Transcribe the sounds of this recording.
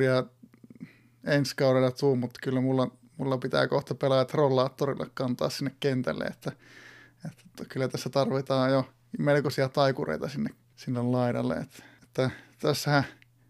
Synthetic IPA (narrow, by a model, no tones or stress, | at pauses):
iɑ | enskɑuɾelːɑt̪uːmut̪kylːæmulːɑ | mulːɑpit̪æ̰ːkoht̪ɑpelɑjɑt̪rolːˑɑːt̪ːorḭlːɑ̰kkɑnt̪ɑ̰ːssinːekkent̪æ̰lːḛet̪ːæ | et̪ːæ̥t̪kylːæt̪æsːæt̪ɑrʋit̪ɑːjo | melkosiɑt̪ɑikurḛit̪ɑsinːek | silːellɑiɾɑ̰lːḛḛt̪ːet̪ːæt̪æsːæhæ